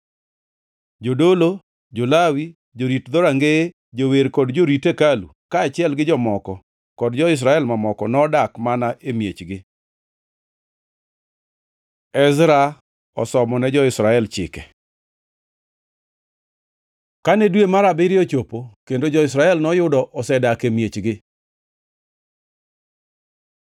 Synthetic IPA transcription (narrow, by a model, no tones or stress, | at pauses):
d͡ʒodolo | d͡ʒolawi | d͡ʒoɾitd̪ɔɾaŋɡee | d͡ʒoweɾkɔdd͡ʒoɾitekalṵkaːt͡ʃɪɛlɡɪd͡ʒɔmɔkɔ | kɔdd͡ʒɔɪs̬ɾaɛlmamɔkɔnɔdakmanaʔemjet͡ʃɡɪ | ɛzɾa | ɔ̰sɔmɔnɛd͡ʒɔɪsɾaɛlt͡ʃɪ̰kɛ | kanɛdwemaɾabɪɾɪɔt͡ʃopokendod͡ʒɔɪs̬ɾaɛlnɔjʊdɔʔɔsɛdakemjet͡ʃɡɪ